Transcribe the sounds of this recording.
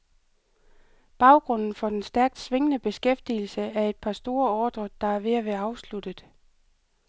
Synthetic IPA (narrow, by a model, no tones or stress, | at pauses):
b̥ɑ̈ʊɡ̥ʁɔ̽n̰n̩fɒ̽d̥ensd̥æɐɡ̥̚d̥sʋe̝ŋənəb̥e̝sɡ̥efd̥il̩səæɐe̝d̥̚pʰɑ̈sd̥o̝ːɐɒːd̥ʁɐd̥ɑ̈æɐʋe̝æʋeɑ̈ʊslud̥əðˠ